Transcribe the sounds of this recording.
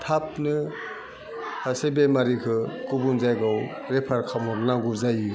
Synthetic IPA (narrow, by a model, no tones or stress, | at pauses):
tʰap̚nɯ | hasebemaɾikʰɯkubunzajɡaw | ɾepʰaɾkʰamɔɾnaɡuɾzaji